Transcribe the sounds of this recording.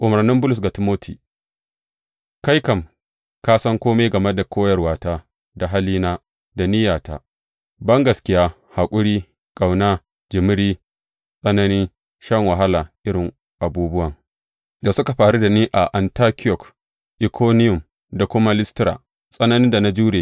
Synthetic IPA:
ʔʊ˨mɐ˨rnɪ˦mbʊ˦lʊ˨s̬ɡa˨tɪ˨˦moː˦tʰḭː˨ | ka˦jkɐ˨m | kaː˦sɐ˦ŋkʷoː˦me˦ɡɐ˨me˦da˨kʰʷoː˦jɐ˨rwaː˨taː˦ | da˨ɦa˦liː˦naː˦ | da˨nɪ˦jaː˨taː˦ | bɐ˦ŋɡɐ˨skʲɪ˦jaː˦ | ha˨kʷʼʊ˦ɽiː˦ | kʼa˨wnaː˦ | d͡ʒɪ˨mɪ˦ɽiː˦ | sʼɐ˦nɐ˦niː˦ | ʃɐ˦ŋwa˨ɦa˦laː˨ʔɪ˦ɽɪ˨ŋ | ʔa˨buː˦bʊ˦wɐ˨ŋ | da˨sʊ˦ka˨ɸaː˨ɽu˦da˨niː˦ʔa˨ʔa˨ntaː˦kʲɪ˦jɔ˨k | ʔɪ˨kʰoː˦nɪ˦jʊ˨m | da˨kʷʊ˦ma˦lɪ˦stɪ˦ɾa̰ː˨ | sʼɐ˦nɐ˦nɪ˦nda˨na˦d͡ʒuː˦ɽeː˨

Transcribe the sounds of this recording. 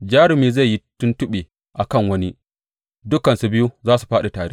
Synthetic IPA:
d͡ʒaː˦ɽɪ˨miː˨za˦˨jːi˦tʊ˦ntʊ˦ɓe˨ | ʔa˨kɐ˦˨ŋwɐ˦ni˦ | dʊ˦kɐ˨nsu˨bɪ˦ju˦zaː˦su̥˨ɸaː˦ɗa˨taː˨ɽḛː˦

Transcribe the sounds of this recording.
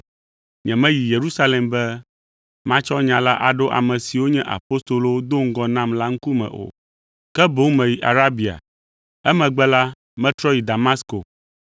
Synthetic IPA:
ɲɛ̃˨mɛ̃˦ji˨je˨ɾu˦sa˦le˨mbɛ˦ | mã˦t͡ʃɔ˦ɲã˨la˦ʔa˨ɖo˦ʔa̰˨mɛ̃˨si˨wo˦ɲɛ̃˦ʔa̰˨po˦st̪o˨lo˦wo˦d̪o˦ŋ̩˦ɡɔ˨nã˦mla˦ŋ̩˦ku˦mɛ̰̃˨ʔo̰˨ | kɛ˦bo˦wmɛ̃˨ji˨ʔa̰˨ɾa˦bi˨a̰˨ | ɛ˦mɛ̃˨ɡ͡bɛ˦la˦ | mɛ̃˦t̪ɾɔ˦ji˨d̪a˨ma˦sko̰˨

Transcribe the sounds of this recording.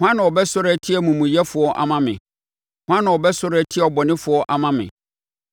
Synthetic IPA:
hʷʊ˦ã˦nã˨ɔ˨bɛ˦sʊ˦ɾɛ˦tʰɪ˦ɛ˨mũ˨mũ˨jɛ˦fʊ˨ɔ˦ʔa̰˨mã˦mɪ̰̃˨ | hʷʊ˦ã˦nã˨ɔ˨bɛ˦sʊ˦ɾɛ˦˨tʰɪ˦˨ɔ˨bɔ˨nɪ̃˦fʊ˨ɔ˦ʔa˨mã˦mɪ̰̃˨

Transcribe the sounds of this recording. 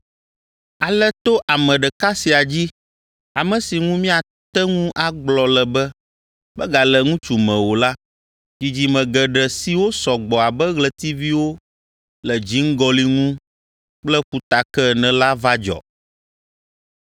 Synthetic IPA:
a˨lɛ˦t̪o˦ʔa˨mɛ̃˨ɖɛ˨ka˦si˨a˨d͡ʑi˦ | a˨mə̃˨si˨ŋũ˦mĩ˦a˨ | t̪ɛ˦ŋũ˦ʔa˨ɡ͡blɔ˨lɛ˨bɛ˦ | bɛ˦ɡa˨lɛ˨ŋũ˦t͡ʃu˨mɛ̃˨wo˨la˦ | d͡ʑi˨d͡ʑi˨mɛ̃˨ɡɛ˨ɖɛ˨si˨wo˦sɔ˨ɡ͡bɔ˨a˨bɛ˦ɣlɛ˨t̪i˦vi˦wo˦ | lɛ˨d͡ʑi˨˦ŋ̩˦ɡɔ˦li˨ŋũ˦ | k͡plɛ˦ɸu˨t̪a˨kɛ˦nɛ̃˨la˦va˦d͡ʒɔ̰˨

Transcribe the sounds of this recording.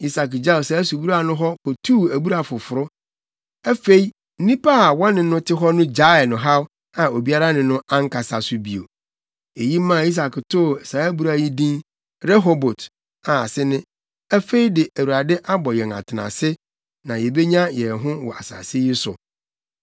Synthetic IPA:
i˦sa˨kd͡ʑa˦˨sɛ˨˦æ˦su˨bu˦ɾa˨nʊ̃˦ɦɔ˦kʰɔ˨tʰu˦˨æ˨bu˦ɾa˨fʊ˨fʊ˨ɾʊ˦ | æ˦fe˦i˦ | n̩˦nĩ˦pʰa˦a˨wɔ̃˦nɪ̃˨˦nʊ̃˦tʰɪ˦ɦɔ˦nʊ̃˦d͡ʑa˦ɛ˨nʊ̃˨ɦa˦w | a˨o˨bi˦a˦ɾa˦nɪ̃˨nʊ̃˦ã˦ŋ̩˦kʰa˨sa˨sʊ˦bi˨o̰˨ | e˨ji˦mã˦˨i˦s̬a˨ktʰʊ˦˨sa˨æ˦bu˨ɾa˨ji˦dĩ˦n | ɾɛ˦ɦo˦bo˨t | a˨a̰˨sɪ˦nɪ̃˦ | æ˦fe˦i˦dɪ˨ʔæ˨wu˨ɾa˨dɛ˦ʔa˦bɔ˨jɛ˨ŋa̰˨tʰɪ˨nã̰˨sɪ˦ | nã˨jɛ˨be˦ɲã˦jɛ˨ɦʊ̃˦wɔ̰˨a˨sa̰ː˨si˦jɪ˦sʊ̰˨

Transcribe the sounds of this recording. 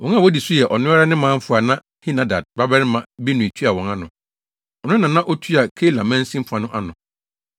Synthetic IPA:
wɔ̃˨ŋ˦a˦˨wɔ˦di˨su˦jɛ˨ʔɔ˨nʊ̃˦a˦ɾa˦nɪ̃˦mãː˦m̩˦fʊ˨˦a˨nã˦ | hi˦nã˨da˨d̚ba˦bɛ˦ɾɪ˦mã˨bi˦nʊ̃˨i˨tʰu˦a˨wɔ̃˨ŋã˦nʊ̃˨ | ɔ˨nʊ̃˦nã˨nã˦ʔɔ˦tʰu˦a˨kʰe˦lã˨mã˦n̩˦sĩ˦m̩˦fã˨nʊ̃˦ʔa˦nʊ̃˨

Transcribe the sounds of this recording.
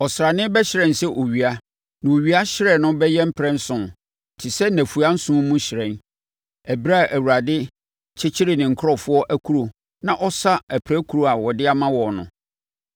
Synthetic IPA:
ɔ˨sɾa˨nɪ̃˦bɛ˦ɕɪ˨ɾɛ̃˨nsɛ˦ʔo˨ɥi˨a˦ | nã˨o˨ɥi˦a˦ɕɪ˦ɾɛ˦˨nʊ̃˦bɛ˦jɛ˦m̩˦pʰɾɛ̃˦n̩˦sʊ̃˨n˨ | tʰɪ˨sɛ˦næ̃˨fu˨a˦n̩˦sũ˦mũ˦ɕɪ˨ɾɛ̃˨n | æ˨bi˦ɾa˦˨ʔæ˨wu˨ɾa˨dɪ˦ | t͡ɕʰɪ˦t͡ɕʰɪ˦ɾe˨nɪ̃˨ŋ̩˨kʰɔ˨fʊ˦ɔ˦ʔæ˦kʰu˦ɾo˨ | nã˨ʔɔ˦sa˦æ˨pʰɾɛ˦kʰu˨ɾo˨a˨wɔ˨dɪ˦a˦mã˦wɔ˨nʊ̰̃˨

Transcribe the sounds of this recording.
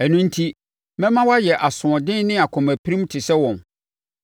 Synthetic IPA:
æ˨nũ˦n̩˦tʰi˦ | mɛ̃˦mã˦wa˦jɛ˨ʔa˨sʊ̃˨ɔ̃˨dɪ̃˦n˦nɪ̃˦a˨kʰɔ̃˨mæ˨pʰi˦ɾĩ˦m˦tʰɪ˨sɛ˦wɔ̃˨n

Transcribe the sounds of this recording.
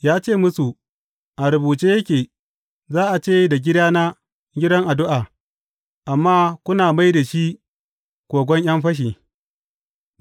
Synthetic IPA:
jaː˦t͡ʃeː˦˨mʊ˦su˨ | ʔa˨ɾʊ˨buː˨t͡ʃeː˦jɐ˦kʲeː˨ | zaː˦ʔa˨t͡ʃeː˦da˨ɡʲɪ˦daː˦na˦ | ɡʲɪ˦dɐ˦ŋʔa˨dʊ˦ʔaː˨ | ʔa˨mːaː˦kʷʊ˦naː˨ma˦jda˨ʃi˦ | kʷoː˨ɡʷɔ˦ɲj̰ɐ˦mɸɐ˦ʃ̬iː˨

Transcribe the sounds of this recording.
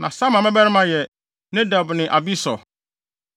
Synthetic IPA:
nã˨sã˦mã˨mɛ̃˦bɛ˦ɾɪ˦mã˨jɛ˨ | nɛ̃˦da˨bnɪ̃˨ʔa˨bi˦sɔ̰˨

